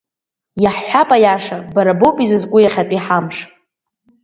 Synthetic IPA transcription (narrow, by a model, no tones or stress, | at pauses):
jaħːʷapʼajaʂabaɾabopʼizɨzkʷʼʊjaχʲatʼiħamʂ